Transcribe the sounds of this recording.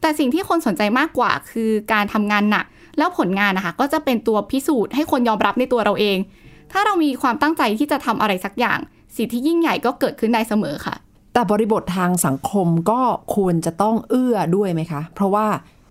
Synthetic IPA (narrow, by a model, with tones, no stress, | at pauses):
t̪ɛː˨˩si˨˩ŋt̪ʰiː˥˩kʰo˧nso˩˦nt͡ɕa˧jmaː˥˩kːwa̰ː˨˩kʰɯː˧kaː˧nt̪ʰa˧mŋaː˧nːa̰˨˩k̚ | lɛː˦˥wpʰo˩˦nŋaː˧nʔa˧˩kʰa˦˥˩kɔː˥˩t͡ɕa˨˩pe˧nt̪u˧ɐpʰi˦˥suː˨˩t̪̚ha˥˩jkʰo˧njɔː˧mɾa˦˥p̚na˧jt̪u˧ɐɾa˧wʔeː˧ŋ | t̪ʰaː˥˩ɾa˧wmiː˧kʰwaː˧mt̪a˥˩ŋt͡ɕa˧jt̪ʰiː˥˩t͡ɕa˨˩t̪ʰa˧mʔa˧ɾa˧jsa˩˦k̚ja̰ː˨˩ŋ | si˨˩t̪ʰːiː˥˩ji˥˩ŋja˨˩jkɔː˥˩kɤː˨˩t̪̚kʰɯ˥˩daː˧jsa˧mɤ̰ː˩˦kʰa̰˥˩ʔ | t̪ɛː˨˩bɔː˧ɾi˧bo˨˩t̪ʰːaː˧ŋsa˨˩˦ŋkʰo˧mkɔː˥˩kʰu˧ənt͡ɕa˨˩t̪ɔ˥˩ŋʔɯ˥˩ɐdu˥˩əjma˦˥jkʰa˦˥pʰɾɔ˦˥waː˥˩